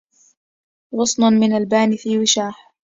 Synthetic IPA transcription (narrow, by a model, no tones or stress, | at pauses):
ɣʊsˤnʊnmɪnalbaːnɪfiːwɪʃaːħ